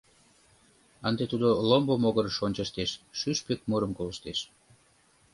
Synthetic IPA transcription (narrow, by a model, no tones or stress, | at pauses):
ənd̪et̪ud̪olombomoɣəɾʃonʲt͡ɕəʃt̪eʃːyʃpek̚moɾəmkoləʃt̪eʃ